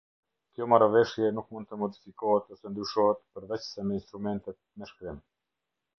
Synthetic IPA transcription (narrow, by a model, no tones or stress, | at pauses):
kjɔmaɾavɛʃjɛnukmũnd̪̚t̪əmɔd̪ifikɔɦɛt̪ɔsɛnd̪ɾyʃɔhɛt̪pəɾvɛt͡ɕsɛmɛinst̪ɾumɛnt̪ɛt̪̚mɛʃkɾim